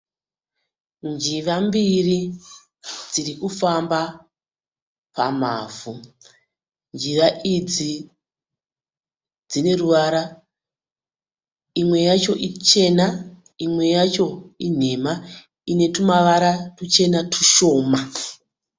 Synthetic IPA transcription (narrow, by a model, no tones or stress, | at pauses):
nd͡ʒiʋambiri | d͡zirikufamba | pa̰m̤a̰ːvu | nd͡ʒiraʔid͡zi | d͡zine̞ruʋaɾa | imwe̞jat͡ʃo̞ʔit͡ʃe̞na | imwe̞jat͡ʃo̞in̤e̞ma | ine̞tumaʋaɾatut͡ʃe̞natʰu̥ʃo̞ːma